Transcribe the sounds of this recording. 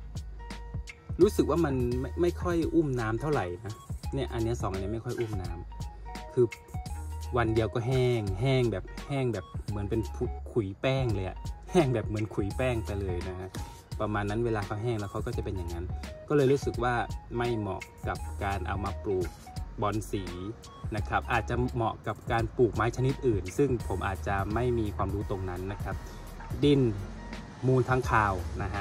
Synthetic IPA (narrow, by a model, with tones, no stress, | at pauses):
ɾuː˦˥sɯ˨˩k̚waː˥˩ma˧nma˥˩ma˥˩jkʰɔ˥˩jʔuː˥˩mnaː˦˥mt̪ʰa˥˩wɾa˨˩jna˧˦˥ni˦˧˩ɐʔa˧nːi˦˥˨sɔː˨˦ŋa˨ni˧˥˦ma˥˩jkʰjʔuː˥˩˨mnaː˦˥mkʰɯː˧ | wa˧ndi˧əwkɔː˧˥˩ɦɛː˧˩ŋɦɛː˧˥˩ŋbɛː˨˩p̚hɛː˧˥˩ŋbɛː˨˩p̚mɯ˩˦npe˧npʰu˧kʰu˨˩˦jpɛː˧˥˩ŋlɤː˧ja̰˨˩ʔhɛː˥˩ŋbɛː˨˩p̚mɯ˨˩˦nkʰu˨˩˦jpɛː˧˥˩ŋpa˧jlɤː˧jna˦˧kʰa˧˥ | pa˧maː˧nːa˦˥nweː˧laː˧kʰa˧˦˥wɦɛː˥˩ŋlɛː˦˥wkʰwkɔː˥˩t͡ɕa˨˩pe˧nja˨˩ŋːa˦˥nkɔː˥˩lɤː˧jɾuː˦˥sɯ˨˩k̚waː˧˥˩ma˥˩jmɔ̰˨˩ʔka˨˩p̚kaː˧nʔa̰˧wmaː˧pluː˨˩k̚ | bɔː˨˦nsiː˩˦ | na˦˧kʰa˦˥˩p̚ʔaː˨˩t̪̚t͡ɕa˨mɔ̰˨˧ʔka˨˩p̚kaː˧npuː˨˩k̚maː˦˥jt͡ɕʰa˧ni˦˥t̪̚ʔɯː˨˩nsɯ˥˩ŋpʰo˩˦mʔaː˨˩t̪̚t͡ɕa˨˩ma˥˩jmiː˧kʰwaː˧mduː˦˥t̪o˧ŋna˦˥nːa˦˥kʰa˦˥p̚ | di˥˩n | muː˧˩nt̪ʰaː˦˥ŋkʰaː˧wna˦˧ɦʰa˦˥